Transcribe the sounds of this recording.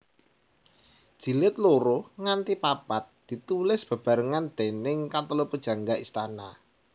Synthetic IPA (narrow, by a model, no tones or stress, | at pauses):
d̥ʒ̥i̤lɪt̪̚loɾoŋant̪ipapat̪̚d̪̥i̤t̪ulɪsb̥ä̤b̥a̤ɾəŋand̪̥enɪŋkat̪əlopəd̥ʒ̥ä̤ŋɡaʔist̪ana